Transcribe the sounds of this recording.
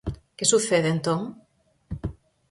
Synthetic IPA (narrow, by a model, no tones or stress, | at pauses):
kesuθeðent̪õŋ